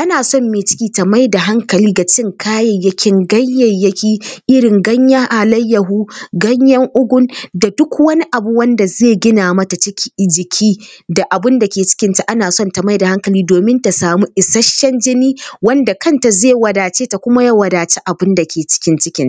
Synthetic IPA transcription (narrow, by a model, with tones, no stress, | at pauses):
ʔa˦naː˨sɔ˦˨mːeː˨t͡ʃɪ̥˦kʲiː˦tɐ˨ma˦jda˨ɦa˦ŋkɐ˨liː˦ɡa˨t͡ʃɪ˦ŋkʰaː˦jɐ˨jːɐ˦kʲɪ˦ŋɡɐ˦jːɐ˨jːɐ˦kʲiː˦ʔɪ˦ɽɪ˨ŋɡɐ˦ɲja˦ʔa˨lɐ˦jːɐ˨ɦuː˦ɡɐ˦ɲjɐ˦ŋʔʊ˦ɡʷʊ˦nda˨dʊ˦kwɐ˦ni˦ʔa˨bu˦wɐ˦nda˨zeː˦˨ɡʲɪ˦naː˨mɐ˦ta˨t͡ʃɪ˦kʲʰi̥˦˨d͡ʒɪ˨kʲʰiː˦da˨ʔa˨bɪ˦nda˨kʲeː˨t͡ʃɪ̥˦kʲɪ˦nta˨ʔa˦naː˨sɔ˦ntɐ˨ma˦jda˨ha˦ŋkɐ˨liː˦doː˨mɪ˦nta˨saː˨mu˦ʔɪ˨sɐ˦ʃːɐ˦nd͡ʒɪ˦niː˦wɐ˦nda˨kɐ˦nta˨zeː˦˨wɐ˨daː˨t͡ʃeː˦ta˨kʷʊ˦ma˦ja˦wɐ˨daː˨t͡ʃe˦ʔa˨bɪ˦nda˨kʲʰeː˨t͡ʃɪ̥˦kʲɪ˦nt͡ʃɪ˦kʲɪ˦n˨